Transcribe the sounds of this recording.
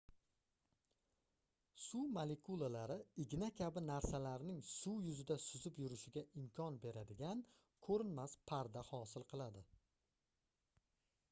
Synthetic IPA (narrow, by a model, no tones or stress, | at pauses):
sumalekʰulˠalaɾɪɪɡʲɪnakʲʰabɪnaɾsalaɾnɪŋsujʊzɪd̪asʊzɪpjʊɾɪʃɪɡʲaʔɪmkʰʲɒnbe̞ɾad̪ɪɡʲan | kʰɵɾɪnmaspʰaɾd̪ahɒsɪlˠqʰɨlˠad̪ɪ